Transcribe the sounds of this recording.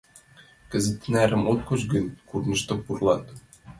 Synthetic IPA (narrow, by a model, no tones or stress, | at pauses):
kɘ̆zɘ̆t̪ːɘ̆næɾɘ̆mot̪̚kot͡ɕɡə̆nkurnɤ̆ʃt̪ɤ̆pːurlˠɑt̪